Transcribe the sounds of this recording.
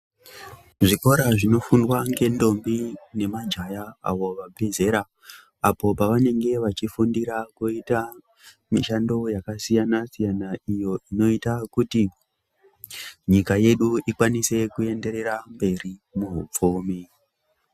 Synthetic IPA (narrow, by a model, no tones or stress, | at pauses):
ʐiko̞ɾaʐino̞fundwaŋɡe̞ndo̞mbine̞mad͡ʒajaa̰ʋo̞ʋabʱe̞ze̞ɾa | apo̞paʋane̞ŋɡe̞ʋat͡ʃifundiɾakuita | miʃando̞jakasijanasijanaijo̞ino̞itakuti | ɲikaje̞ɗuikwanise̞kue̞nde̞ɾe̞ɾambe̞rimuɦṵp͡fuːmi